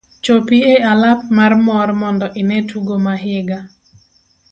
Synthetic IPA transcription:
t͡ʃopiealap̚marmɔrmɔndɔʔɪnɛtʰuɡomaɦɪɡa

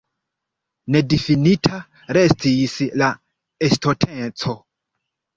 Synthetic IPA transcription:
ne̞difinitʰa | ɾe̞stisla | estʰotʰent͡so̞

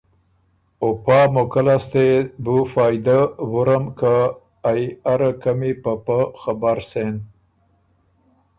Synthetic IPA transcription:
opɑmʊkalast̪ebufɑjd̪awʊɾəmkəː | jaɾəkamipəpəxabaɾsen

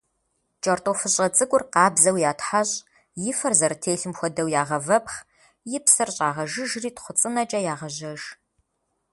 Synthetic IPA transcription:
t͡ʃʼɐrtʼofɨɕʼɐt͡sʼɨkʷʼʊrqɑːbzɐwjaːtʰħaɕʼ | jɪfɐrzɐrtʰeːɬɨmxʷɔdɐwjaːʁɐvɐpχ | jɪpsɐrɕʼaːʁɐʒɨʒriːtχʷʊt͡sʼɨnɐt͡ʃʼɐjaːʁɐʑɐʒ

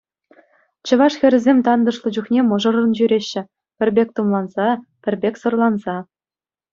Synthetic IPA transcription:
t͡ɕɤ̆ʋɑʂxʲɘ̆ɾʲɘ̆zʲemʲt̪ɑnd̪ɤ̆ʂlˠɤ̆d͡ʑuχnʲemɤ̆ʐɤ̆rɤ̆nʑyɾʲeɕːɘ̆ | pʲɘ̆rʲbʲek̚ʲt̪umlˠɑnz̥ɑpʲɘ̆rʲbʲekʲsɤ̆rlˠɑnzɑ

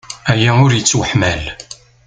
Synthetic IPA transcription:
æjæʊɾjət͡sːwəħmæl

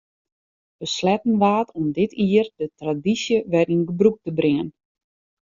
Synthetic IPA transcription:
b̥əslɛtn̩ʋaːtʰɔmdɪtʰiərdətradisjəʋɛrinɡəbruk̚təbrɪən

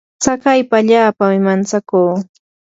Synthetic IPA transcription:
t͡sakajpaːʎaːpamɪmant͡sakuː

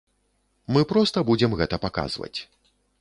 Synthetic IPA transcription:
mɨpɾɔst̪ɐbud͡zʲɛmɣɛt̪ɐpaka̰zvɐ̰t͡sʲ

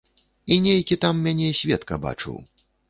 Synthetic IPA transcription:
inʲejkʲit̪amːʲanʲɛisʲvʲɛt̪kɐ̰ba̰t͡ʂɨ̰w

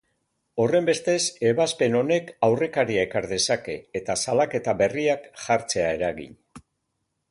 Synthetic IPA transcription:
o̞re̞mbe̞st̪e̞se̞βaspe̞no̞ne̞kawre̞kaɾiaekaɾðe̞sake̞ːt̪asalake̞t̪aβe̞riakʝaɾt͡se̞ae̞ɾaɣḭɲ

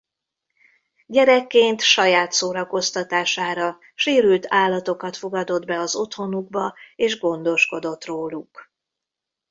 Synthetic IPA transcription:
ɟɛɾɛkːeːnt̪ʃɒjaːt̪soːɾɒko̞st̪ɒt̪aːʃaːɾɒ | ʃeːɾylt̪ʰaːlːɒt̪o̞kɒt̪fo̞ɡɒd̪o̞d̪bɛɒzo̞t̪ho̞nuɡ̚bɒeːʒɡo̞nd̪o̞ʃko̞d̪o̞t̪roːluk

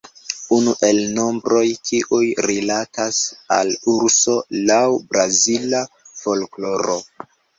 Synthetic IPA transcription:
unuʔe̞lno̞mbɾo̞jkʰiʔujɾilatasa̰luɾso̞lawbɾazila | fo̞lklo̞ɾo̞

